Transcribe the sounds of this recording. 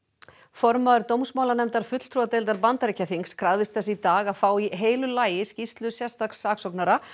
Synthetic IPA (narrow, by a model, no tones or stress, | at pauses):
fɔɾmaðʏɾt̪owmsmaːwlanɛmt̪aɾ̥fʏt̪l̥t̪ʰɾuat̪ejlt̪aɾpant̪aɾɪcʰaθiŋskʰɾaðvɪst̪θɛsːɪit̪aːɣaðfaːwiɦeːjlʏlaːjɪscist̪lʏsjɛ̥st̪aksːaːksɔknaɾa